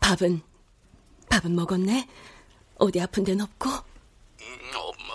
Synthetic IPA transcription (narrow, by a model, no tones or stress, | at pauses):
pabɯn | pabɯnmʌɡʌnːe | ʌdiapʰɯndenʌp̚k͈ʰo